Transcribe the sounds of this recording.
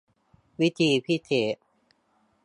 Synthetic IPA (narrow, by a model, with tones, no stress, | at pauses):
wi˦˥t̪ʰiː˧pʰi˥˨t̪ʰeː˩˦